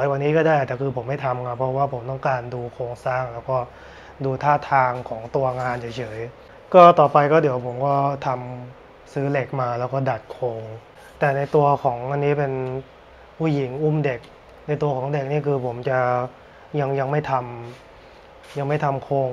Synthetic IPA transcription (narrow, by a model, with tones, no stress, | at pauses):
ɔ˩˦jwa˧nːiː˦˥kɔː˥˩daː˥˩jt̪ɛː˨˩kʰɯː˧pʰo˨˩˦mːa˥˩jt̪ʰa˧mkʰa˦˥pʰːɾɔ˦˥waː˥˩pʰo˩˦mt̪ɔ˥˩ŋkaː˧nduː˧kʰoː˧ŋsaː˥˩ŋlɛː˦˥wkɔː˥˩ | duː˧t̪ʰaː˥˩t̪ʰaː˧ŋkʰɔː˩˦ŋt̪u˧ɐŋaː˧nt͡ɕʰa˨˩t͡ɕʰɤː˩˦j | kɔː˥˩t̪ɔː˨˩pa˧jkɔː˥˩di˩˦wpʰo˩˦mkɔː˥˩t̪ʰa˧m | sɯː˦˥le˨˩k̚maː˧lɛː˦˥wkɔː˥˩da˨˩t̪̚kʰoː˧ŋ | t̪ɛː˨˩na˧jt̪u˧ɐkʰɔː˩˦ŋʔa˧nːiː˦˥˩pe˧n | pʰuː˥˩ji˩˦ŋʔu˥˩mde˨˩k̚ | na˧jt̪u˧ɐkʰɔː˩˦ŋde˨˩k̚niː˥˩kʰɯː˧pʰo˩˦mt͡ɕa˨˩ | ja˧ŋja˧ŋma˥˩jt̪ʰa˧m | ja˧ŋma˥˩jt̪ʰa˧mkʰoː˧ŋ